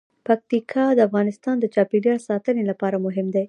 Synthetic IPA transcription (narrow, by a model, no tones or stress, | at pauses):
pak̚t̪ikʰɑd̪əafɣɑnɪst̪ɑnd̪ət͡ʃɑpiɖjɑsɑt̪ənelapɑɾamʊɦɪmd̪e